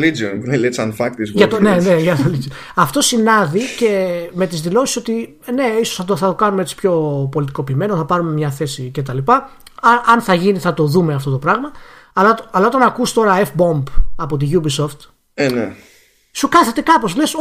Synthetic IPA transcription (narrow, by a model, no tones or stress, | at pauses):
lid͡ʒonnelesɐnfɐk̚t̪isʝɐt̪neneʝɐt̪olizio | ɐft̪o̞sinɐðice̞me̞t̪izðilo̞si̥so̞t̪i | ne̞isosθɐt̪oθɐt̪okɐnumee̞t͡si̥pço̞po̞lit̪iko̞piːme̞noθɐpɐɾume̞mɲɐθe̞sice̞t̪ɐlipɐ | ɐɐnθɐʝiniθɐt̪o̞ðume̞ɐft̪o̞t̪o̞pɾɐɣmɐ | ɐlɐɐlɐo̞t̪ɐnɐkust̪o̞ɾɐefbo̞mbɐpo̞t̪̬iʝubisoft̪ | ene | sukɐθe̞t̪e̞kɐpo̞sle̞s